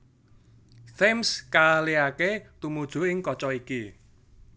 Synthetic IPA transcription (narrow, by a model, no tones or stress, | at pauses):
semskaliaket̪umud̥ʒ̥ṳɪŋkɔt͡ʃɔiki